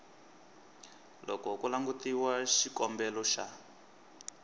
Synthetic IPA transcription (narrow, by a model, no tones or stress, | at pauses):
lɔkɔkulaŋɡutiwaʃikɔmbɛlɔʃa̰